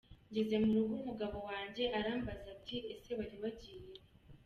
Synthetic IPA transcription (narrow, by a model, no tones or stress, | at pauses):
ɲɟeze̞muɾuɡumuɡaβo̞waːɲɟe̞ʔaɾaːmbazab̚ɟiɾeseβaɾiβaɟije